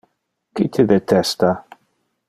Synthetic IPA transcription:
kɪt̪ʰɪðɛt̪ʰɛst̪a

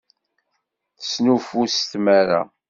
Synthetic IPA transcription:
θəsnufust̪maɾa̰

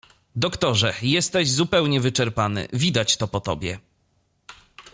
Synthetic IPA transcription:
d̪ɔkt̪ɔʐɛjɛst̪ɛʑzupɛwɲɛvɘt͡ʂɛɾpanɘ̰vʲid̪at͡ɕt̪ɔpɔt̪ɔbʲjɛ

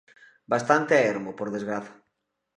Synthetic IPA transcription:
bast̪ant̪eaeɾmopoɾðezɣɾaθɐ̥

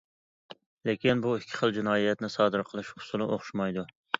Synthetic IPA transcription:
lekʲinbuikʲʰːɪ̥χəlˠd͡ʒunɑːijɛt̪nɪsɑːd̪ɨɾqʰəlˠɨʃhʊ̥sulˠɨʔoχʃmɑjd̪u

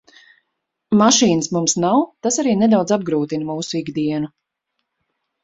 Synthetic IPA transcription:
maʃiːnəsmumsnawt̪asaɾiːnɛd̪awd̪zab̚ɡɾuːt̪inmuːsuiɡd̪iɛnu

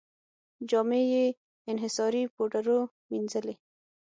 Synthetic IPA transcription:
d͡ʒɑːmeje | ɪnɦɪsɑːɾipoʈaɾo | minzəle

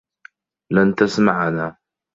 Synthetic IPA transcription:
lant̪asmaʕnaː

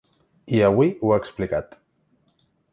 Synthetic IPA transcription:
iaβwiuaːksplikat̪

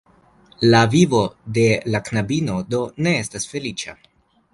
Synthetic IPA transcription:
lavivo̞de̞laknabino̞do̞ne̞estasfe̞lit͡ʃa̰

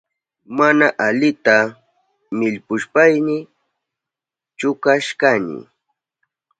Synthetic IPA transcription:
manaʔaʎɪt̪a | mɪʎpʊʃpajnɪ | t͡ʃʊkaʃkanɪ̰

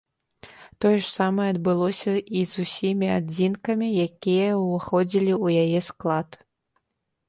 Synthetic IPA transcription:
t̪ɔjɛʂsamɐɛɐd̪bɨlˠɔsʲɐizusʲimʲiad͡zʲinkɐmʲijakʲijɐvɨxɔd͡zʲilʲiujajɛsklˠat̪

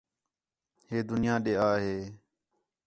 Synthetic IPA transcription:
heːd̪ʊnɪjãːɗeːaːɦeː

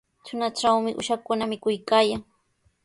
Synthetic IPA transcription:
t͡ʃʊnaʈ͡ʂawmɪʔʊ̰ʃakʊnamɪkʊjkaːjaŋ

